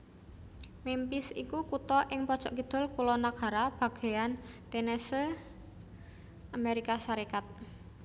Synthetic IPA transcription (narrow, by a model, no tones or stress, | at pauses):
mimpɪsḭkukut̪ɔʔɪŋpɔd̥ʒ̥ɔʔkid̪̥ɔ̤lkulɔnaɡ̥a̤ɾab̥a̤ɡ̥e̤ant̪enesə | ʔameɾikasaɾikat̪̚